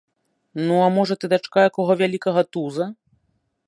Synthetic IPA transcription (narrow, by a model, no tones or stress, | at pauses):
nuamɔʐɐt̪ɨd̪at͡ʂkajakɔɣɔvʲalʲikɐɣɐt̪uzɐ